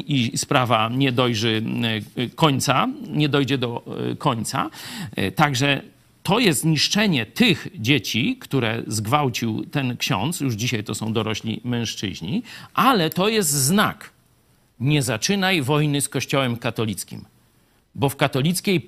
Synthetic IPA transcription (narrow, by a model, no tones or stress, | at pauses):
ispɾavaɲɛd̪ɔjʐɛ | kɔɲt̪saɲɛd̪ɔjd͡ʑɛd̪ɔkʰɔɲt̪sa̰t̪aɡʐɛ | t̪ɔjɛst̪ɲiʂt͡ʂɛɲɛt̪ɘxd͡ʑet͡ɕikt̪uɾɛ̰zɡvawt͡ɕiwt̪ɛnkɕɔ̰̃nt̪sjuʐd͡ʑiɕajt̪ɔsɔ̃w̃d̪ɔɾɔɕlʲḭmɛ̃ʂt͡ʂɘ̰ʑɲiʔalɛt̪ɔjɛst̪zna̰k | ɲɛzat͡ʂɘnajvɔjnɘskɔɕt͡ɕɔwɛmkat̪ɔlʲit̪skʲḭm | bɔfkat̪ɔlʲit̪skʲej